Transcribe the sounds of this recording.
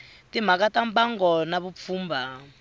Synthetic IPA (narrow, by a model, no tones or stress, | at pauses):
tim̤ak̬atambaŋɡɔnaβup̪fuːmba